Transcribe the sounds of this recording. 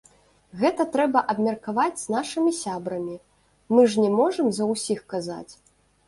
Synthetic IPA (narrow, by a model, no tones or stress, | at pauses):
ɣɛt̪ɐt̪ɾɛbɐʔɐbmʲɐrkavad͡zʲz̥naʂɨmʲisʲabɾɐmʲi | mɨʐnʲɛmɔʐɐmzɐwsʲixkaza̰t͡sʲ